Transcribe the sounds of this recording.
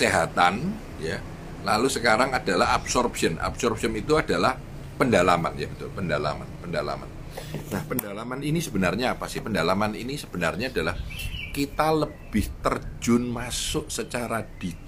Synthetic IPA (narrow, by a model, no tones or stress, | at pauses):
seɦat̪an | ja | lalusəkaɾaŋad̥alaɦapsɔrpsiəna̰psɔrpsiənit̪uadalah | pəndalama̰nja̰bət̪ʊlpəndala̰ma̰npəndala̰ma̰n | nahpəndalamaninisəbənarɲaːpasɪhpəndalamaninisəb̥ənarɲaːdalahkit̪aləb̥ɪht̪ərd͡ʒʊnmasʊʔsət͡ʃaɾad̥i